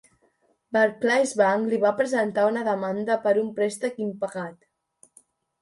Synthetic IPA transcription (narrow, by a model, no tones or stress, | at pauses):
baɾklajzβaŋkliβapɾəzənt̪aunəðəmand̪əpəɾumpɾɛst̪əkimpəɣat̪